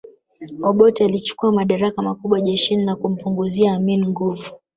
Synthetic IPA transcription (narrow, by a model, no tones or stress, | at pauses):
ɔɓɔtialit͡ʃu̥kuamaɗaɾakamakuɓwaʄɛʃininakum̩puŋɡuziaːminiŋɡuvu